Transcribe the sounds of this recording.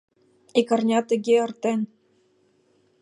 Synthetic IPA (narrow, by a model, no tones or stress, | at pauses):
ikɤ̆rnʲɑt̪ə̆ɣʲeɤ̆rt̪en